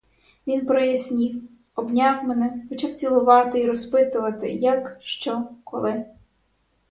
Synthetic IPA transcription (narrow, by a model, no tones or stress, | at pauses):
ʋʲinpɾɔjɐsʲnʲi | ɔbnʲɑwmɛnɛxɔt͡ʃawt͡sʲilˠʊʋɑt̪ɪiɾɔspɪt̪ʊʋɐt̪ɪ̰jɐkʃt͡ʃɔkʰɔ̰lˠɪ